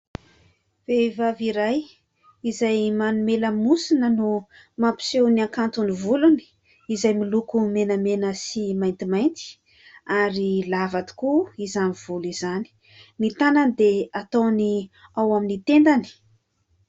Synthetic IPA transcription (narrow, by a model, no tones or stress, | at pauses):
v̥evaviɾaj | izajmanumeləmusinənu | mapi̥sewniaŋkant̪univuluni̥ | izajmilukumenəmenəsimajnt̪imajnt̪i̥ | aɾilavat̪i̥kuizaniv̥ulizani̥ | mit̪anand̪eat̪owniawaminit̪end̪ani̥